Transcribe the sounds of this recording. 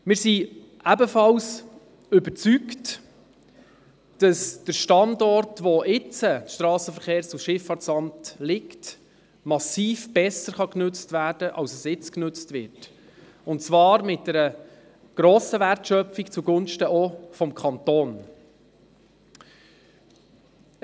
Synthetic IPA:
mɪːɾsi | ʔæbəfɑls | ʏbəɾt͡sykt | d̥ɑsd̥əɾʃtɑndɔɾtʋɔʔɪt͡sətʃtɾɑːsəfəɾχeːɾt͡suʃɪfɑtsɑmtlɪkt | mɑsiːfb̥ɛsəɾχɑknʉt͡stvæːɾd̥əʔɑlsəsɪt͡sknɵt͡stvʋɪɾt | ʊnt̚t͡svɑːɾmɪt̚d̥ɛɾə | ɡ̥ɾoːsəværtʃœpfikt͡suɡʊnʃtəɔfɔmkʰɑntoːn

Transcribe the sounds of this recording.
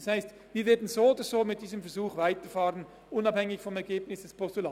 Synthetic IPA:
shaɪst | viːɐvɛːɐdn̩zoːodəz̥oːmɪt̚d̥iːzəmfɛɐzuːχvaɪtəfaːʁən | ʔʊnɑphɛŋɪçfɔmɛɐɡeːbnɪsd̥ɛspʰɔstula

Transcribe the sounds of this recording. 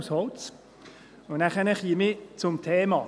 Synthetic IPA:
shɔlt͡s | ʊnæχənɛχiːmɪt͡sʊmt̪ʰeːmɑː

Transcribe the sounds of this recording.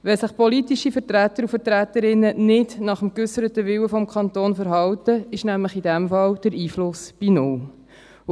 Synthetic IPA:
ʋɛsəχpɔlit̪iʃifəɾtɾæt̪əɾufəɾt̪ɾæt̪əɾɪnːənɪdnɑχəmkʏsəɾət̪əʋɪwəfɔmkʰχɑnt̪oːnfəɾɦɑwtəɪʃnæmləχidɛmfɑld̥əɾiːflʊsb̥inʊl

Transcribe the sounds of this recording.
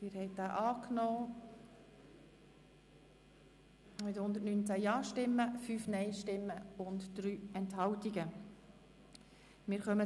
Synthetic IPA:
mɪːɾhɛɪt̚d̥aːʔɑːknɔː | mɪthʊnd̪ətnyːnt͡sæjɑːʃtɪmːəfyːfnɛɪʃtɪmːəʊntd̪̥ɾyːɛnthɑwtiɡə | mɪːɾχœmə

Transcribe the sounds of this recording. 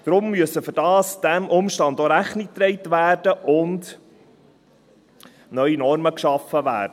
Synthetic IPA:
d̥ɾʊmːyəsəfɵɾdɑːsd̥æmʔʊmʃtɑnd̪oɾæχnik̚t̪ɾeɪtvæːrd̥əʔʊnd | nœʏinɔrməkʃɑfːəʋæ̰ːɾdə

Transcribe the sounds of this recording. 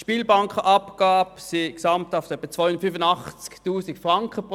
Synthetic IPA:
ʃpiːlbɑŋkχəʔɑpɡ̥aːpsiksɑmtaʊftœpːət͡sʋ̥ajʊndətfyfənɑχt͡sktuːsikfʁɑŋkəpʁ

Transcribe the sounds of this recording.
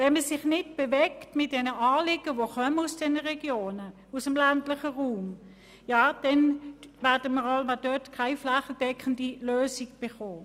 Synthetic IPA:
vɛnməsɪχnɪtb̥evɛktmɪt̚d̥ɛnəɑːlɪɡ̥əʋoχœmənusd̥ɛnəʁɛɡ̥joːnə | usəmlantlɪχəʁuːm | jaːd̥ɛnvɛɐd̥əməʁalmɑdœtkʰaɪflaχəl̩d̥ɛkʰəndiløːsiɡb̥eχoː

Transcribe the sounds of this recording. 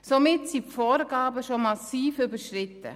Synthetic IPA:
somɪtsipfoːɾɡɑːbəʃomɑsiːfybəɾʃɾɪtə̰

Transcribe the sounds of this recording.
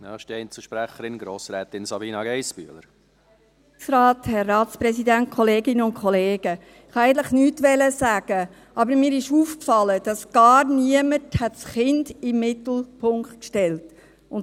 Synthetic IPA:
dɑ̰ɪʃd̥iɛɪnt͡səʃpɾæχəɾɪnɡɾoːsɾɛːt̪ɪnsɑbiːnɑɡɛɪsby̰ələɾ | ksɾɑːthɛrːɑːt̪spɾɛsidænt̚kʰɔleːɡɪnəʊnkʰχɔleːɡ̥ə | ɪχhɑæɪɡən̩tləχnyːtʋɛləsæːɡ̥ə | ɑbəɾmiːɾɪʃuːfkfɑləd̥ɑsɡ̥ɑːɾniəməthɛtsχɪndɪmːɪtl̩pʰʊŋkt̚kʃtɛlt | ʊn

